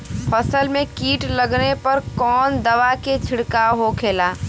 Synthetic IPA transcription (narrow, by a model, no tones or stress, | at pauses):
fʰɐsəlmẽkiːʈlɐɡnepɐɾkɔːnd̪ɐʋaket͡ʃʰɪɽkaɦokʰeːlaː